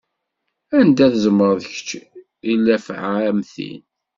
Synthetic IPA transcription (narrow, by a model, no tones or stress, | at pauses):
ænd̪æθəzəmːəɾðəçə̥t͡ʃː | ilːæfʕaæmθḭn